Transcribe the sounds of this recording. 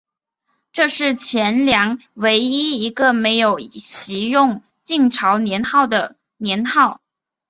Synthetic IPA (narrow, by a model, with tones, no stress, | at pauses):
ʈ͡ʂɤ˥˧ʂɻ̩˥˩t͡ɕʰjɛ˧˥nljɑ˧˥ŋwe˧˥ɪi˥i˧˥ɡə˧me˧˥ɪjo˨˩ʊɕi˧˥jʊ˥˩ŋ | t͡ɕi˥˩ŋʈ͡ʂʰɑ˧˥ʊnjɛ˧˥nxɑ˥˩ʊd̪ə˩ | njɛ˧˥nxɑ˥˩ʊ